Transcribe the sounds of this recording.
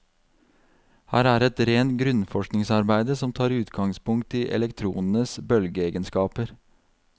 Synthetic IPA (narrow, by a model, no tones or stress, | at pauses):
hæːɾæːɾɛt̪ɾeːnt̪̚ɡɾʉnfɔʃknɪŋsɑɾbæɪd̪əsɔmt̪ʰɑːɾʉːt̪ɡɑŋspʊŋk̚t̪ʰiʔɛ̰lɛkt̪ʰɾṵːnn̩əsbœlɡəeːɡənskɑːpəɾ